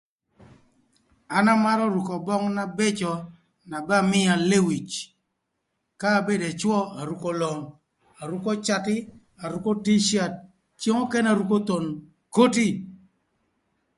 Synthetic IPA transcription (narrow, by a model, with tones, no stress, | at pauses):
a˨na˦ma˦ɾɔ˦ɾu˨kɔ˨bɔ˦ŋna˦be˦t͡ʃɔ˨ | na˨ba˦mɪ˦a˨le˦wi˨t͡ʃ | kaː˦˨be˦de˨t͡ʃwɔ˦a˨ɾu˨ko˦lɔ˨ŋ | a˨ɾu˦kɔ˦t͡ʃa˨tɪ˦ | a˨ɾu˨˦ko˦ti˦ʃja˦˨t̚ | t͡ʃe˦ŋɔ˦kɛ˦na˨ɾu˨ko˦t̪o˨n | ko˦ti˦